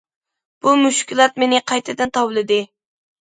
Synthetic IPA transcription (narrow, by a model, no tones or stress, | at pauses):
b̥umuʃkʲilˠɑt̪̚menɪqʰɑjt̪ʰɨd̪ɨnt̪ʰɑwlˠɨd̪ɪ